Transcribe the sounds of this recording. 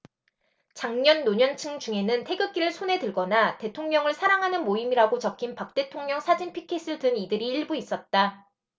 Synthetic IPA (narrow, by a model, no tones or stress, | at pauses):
t͡ɕaŋɲʌnːoɲʌnt͡ɕʰɯŋd͡ʑuŋe̞nɯntʰe̞ɡɯk͈iɾɯɭsʰone̞dɯɭɡʌnate̞tʰoŋɲʌŋɯɭsʰaɾaŋɦanɯnmoimiɾaɡot͡ɕʌkʰinpak̚t͈e̞tʰoŋɲʌŋsʰad͡ʑinpʰikʰes͈ɯɭtɯnidɯɾiiɭbuis͈ʌt̚t͈a